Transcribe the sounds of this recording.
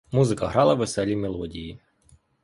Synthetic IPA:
muzɪkɐɦɾɑlˠɐʋesɛlʲimelˠɔdʲiji

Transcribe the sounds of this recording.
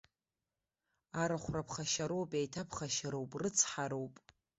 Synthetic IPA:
aɾaχʷrapʰχaʃaɾowpʼajtʰapʰχaʃaɾowpʼrɨt͡sʰħaɾo̞wpʼ

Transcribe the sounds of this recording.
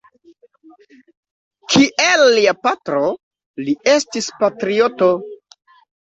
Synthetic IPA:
kʰiʔelːiapatɾo | liestispatɾioto

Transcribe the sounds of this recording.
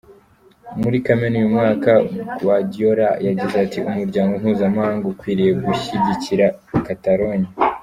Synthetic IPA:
muɾikamenujumŋaːkawaɟio̞ɾajaɟizeatiumuɾɟaːŋɡon̥huːzamahaːŋɡokwiːɾije̞ɡuçiɟiciɾa | kataɾoɲi

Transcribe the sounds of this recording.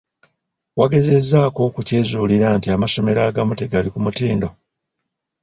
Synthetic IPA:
waɡe̞ze̞zːaːko̞kuce̞ːzuːliɾantiamaso̞me̞ɾaːɡamute̞ɡalikumutiːndo̞

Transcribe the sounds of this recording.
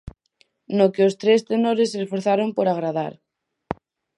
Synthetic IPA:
nokeost̪ɾest̪enoɾesesfoɾθaɾompoɾaɣ̞ɾað̞aɾ

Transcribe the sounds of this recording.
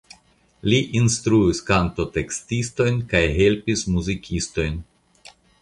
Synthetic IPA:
liʔinstɾuiskanto̞te̞kstisto̞jnkajɦe̞lpismuzikʰisto̞jn

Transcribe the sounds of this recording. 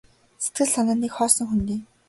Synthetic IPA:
set̪̚ɡɘ̆ɮsanaːnikχɔːsɞ̆ŋxunt̪iː

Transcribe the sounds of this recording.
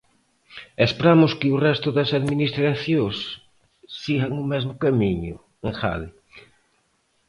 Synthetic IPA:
espɾamʊskɪʊrɛst̪ʊðɐsaðminist̪ɾaθjosː | iɣɐŋʊmɛzmʊkamiɲʊ | eŋxa̰ðɪ

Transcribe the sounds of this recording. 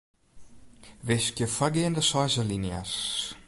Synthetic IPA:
veskjəfaɡeːnd̪əsɔzəlinja̰s

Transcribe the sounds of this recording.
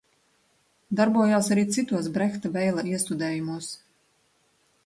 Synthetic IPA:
d̪aɾbuɔjaːsaɾiːt̪sit̪uɔs̬bɾɛxt̪abɛjlˠaiɛst̪ud̪ɛːjumuɔs

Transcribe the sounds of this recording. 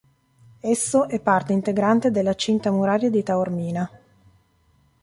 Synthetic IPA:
esːoʔɛpːart̪eint̪eɡɾant̪ed̪elːat͡ʃint̪amuɾaːɾjad̪it̪aormiːna

